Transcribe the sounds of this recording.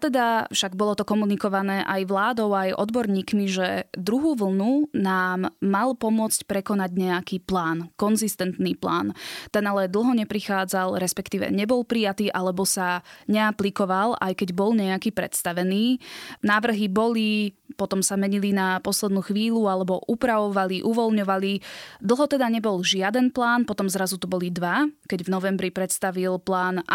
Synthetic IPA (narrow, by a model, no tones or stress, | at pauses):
t̪ɛd̪afʃaɡbɔlɔt̪ɔkɔmunikɔʋanɛːʔajʋlaːd̪ɔʊajʔɔ̰d̪bɔɾɲiːkmiʒɛd̪ɾuɦuːʋl̩ˠnunaːmːalpɔmʊɔt͡scpɾɛkɔnaɟɲɛakiːplaːnkɔnzist̪ɛnt̪niːpla̰ːnt̪ɛnalɛd̪l̩ˠɦɔɲɛpɾixaːd͡zalɾɛspɛkt̪iːʋɛ̰ɲɛbɔlpɾijat̪iːʔalɛbɔsaɲɛaplikɔʋala̰jkɛɟbɔlɲɛakiːpɾɛ̰t̪st̪aʋɛniːnaːʋr̩ɦibɔli | pɔt̪ɔmsamɛɲilinapɔslɛd̪nuːxʋiːlualɛbɔʔupɾaʋɔʋaliʔuʋɔlɲɔʋalid̪l̩ˠɦɔt̪ɛd̪aɲɛbɔlʒɪad̪ɛnplaːnpɔt̪ɔmzɾazut̪ubɔlid̪ʋakɛɟvnɔʋɛmbɾipɾɛt̪st̪aʋilplaːn